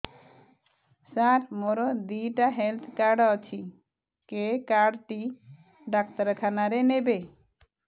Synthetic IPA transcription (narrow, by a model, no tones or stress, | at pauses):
saɾmoɾod̪iʈaɦelt̪ʰkaɾɖɔt͡ɕʰi | kekaɾɖʈi | ɖak̚t̪aɾkʰanaɾenebe